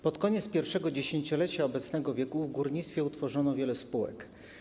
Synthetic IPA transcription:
pɔt̪kɔɲɛt̪spʲjɛɾfʂɛɡɔd͡ʑeɕeɲt͡ɕɔlɛt͡ɕaɔbɛt̪snɛɡɔvʲjɛkuvɡuɾɲit̪st̪fʲjɛut̪fɔʐɔnɔvʲjɛlɛspuwɛ̰k

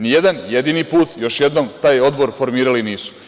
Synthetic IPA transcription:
nije̞d̪anje̞d̪iːnipuːt̪jo̞ʃje̞d̪no̞mt̪aːjo̞d̪bo̞ɾfo̞ɾmiːɾaliniːsu̥

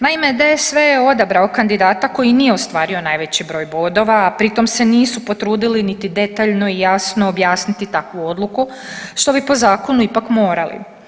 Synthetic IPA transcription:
naimed̪ajesʋe̞jeo̞d̪abɾaokand̪id̪aːt̪ako̞jinijeost̪ʋaːɾio̞najʋe̞t͡ɕibɾo̞ːjbo̞d̪o̞ʋaːpɾit̪o̞mse̞niːsupo̞t̪ɾuːd̪ilinit̪id̪e̞t̪aʎno̞ijasnoːbjaːsnit̪it̪akʋuo̞d̪lˠuku | ʃt̪o̞bipo̞zaːko̞nuipakmo̞ːɾalḭ

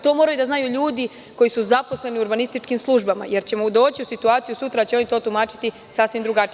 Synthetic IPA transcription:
t̪o̞ːmo̞ɾajud̪aznajuʎuːd̪i | ko̞jisuzaposle̞niuɾbanist̪it͡ʃkimslˠuʒbama̰je̞ɾt͡ɕe̞mo̞ud̪o̞ːt͡ɕiusit̪uaːt̪sijusut̪ɾat͡ɕeo̞nit̪o̞ːt̪umaːt͡ʃi̥t̪i | sasʋimd̪ɾuɡat͡ʃi

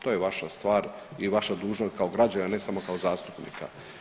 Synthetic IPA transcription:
t̪oːjeʋaʃast̪ʋaːɾ | iʋaʃad̪uːʒnost̪̚kaoɡɾad͡ʑanane̞samo̞kaozaːst̪upnḭkʰa̰

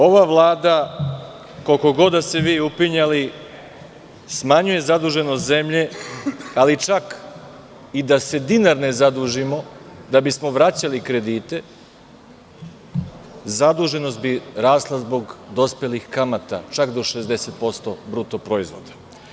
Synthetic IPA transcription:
o̞ʋaʋlˠaːd̪a | ko̞lko̞ɡo̞d̪aseʋiupiɲali | smaɲuje̞zad̪uːʒe̞nost̪ze̞mʎe̞ | alit͡ʃak | id̪ase̞d̪inaɾnezad̪uːʒimo̞d̪abismo̞ʋɾat͡ɕalikɾe̞d̪iːt̪e̞ | zad̪uːʒe̞no̞st̪biɾaːslˠazbo̞ɡd̪o̞spe̞lixkamat̪a̰t͡ʃakd̪o̞ʃe̞zd̪e̞se̞t̪̚po̞st̪o̞bɾuːt̪opɾoizʋo̞̰d̪ḁ

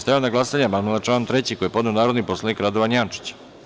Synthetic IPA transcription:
st̪ajanaɡlasaɲamamalˠat͡ʃaːnt̪ɾet͡ɕiko̞jepo̞d̪neonaːɾo̞d̪nipo̞slˠanikɾad̪oʋanjant͡ʂi̥t͡ɕ

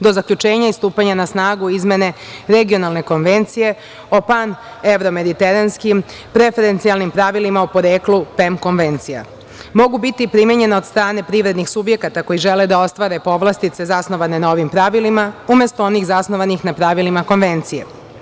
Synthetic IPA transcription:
d̪o̞zakʎut͡ʃe̞ːɲaist̪uːpaɲanasnaːɡuizme̞ne̞ | ɾe̞ɡio̞nalne̞ko̞nʋe̞nt̪sije̞ | o̞pan | e̞ʋɾo̞me̞d̪it̪e̞ɾanskim | pɾe̞fe̞ɾe̞nt̪sialˠnimpɾaʋilimaupo̞ɾeːklupemko̞nʋe̞nt̪sija̰ | mo̞ɡubit̪ipɾimeɲe̞naod̪st̪ɾaːne̞pɾiʋɾed̪nixsubje̞kat̪ako̞jiʒe̞led̪ao̞st̪ʋaɾe̞po̞ʋlˠast̪it̪se̞zasno̞ʋane̞nao̞ʋimpɾaʋilimaumʲjest̪oo̞nixzasno̞ʋanixnapɾaʋilimako̞nʋe̞nt̪sije̞̰

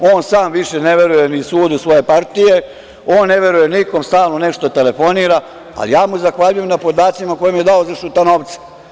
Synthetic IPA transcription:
oːnsaːmʋiʃeneʋe̞ɾujenisuːd̪usʋo̞je̞paɾt̪ije̞ | oːnːeʋe̞ɾujeniko̞mst̪aːlˠnone̞ʂt̪ot̪e̞le̞fo̞niːɾa | a̰lijaːmuzaxʋaʎujemnapo̞d̪aːt̪simako̞jemje̞d̪aozaʃut̪anoʋt̪se̥

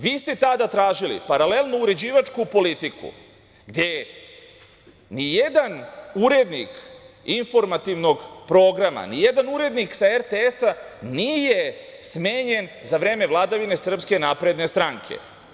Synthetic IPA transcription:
ʋiːst̪e̞t̪ad̪at̪ɾaːʒilḭpaɾale̞lˠnuuɾe̞d͡ʑiːʋat͡ʃkupo̞lit̪ikṵ | ɡd̪je̞ | nijed̪anuɾe̞d̪nḭkinfo̞ɾmat̪iʋno̞ɡpɾo̞ːɡɾama̰nije̞d̪anuɾe̞d̪niksaeɾt̪eesanijesmeːɲe̞nzaʋɾeːme̞ʋlˠad̪aʋine̞sr̩pske̞naːpɾe̞d̪ne̞st̪ɾaŋkʰe̞̰

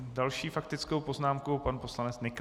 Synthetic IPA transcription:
dalʃiːfak̚t̪ɪt͡skowpo̞znaːmkowpanpo̞slanɛt͡snɪk

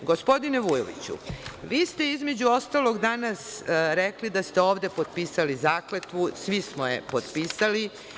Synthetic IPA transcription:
ɡo̞spo̞d̪ineʋujo̰ʋḭt͡ɕṵʋiːst̪e̞izme̞d͡ʑuo̞st̪alo̞ɡd̪aːnasɾeklid̪ast̪eo̞ːʋd̪e̞pod̪piːsalizaːklet̪ʋusʋismojḛpod̪piːsali

